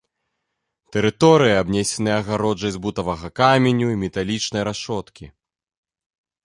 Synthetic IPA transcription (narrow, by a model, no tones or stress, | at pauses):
t̪ɛɾɨt̪ɔɾɨjiabnʲɛsʲɛnɨjɛɐɣaɾɔd͡ʐɐjzbut̪ɐvɐɣɐkamʲenʲuimʲɛt̪alʲit͡ʂnɐjɾaʂɔt̪kʲi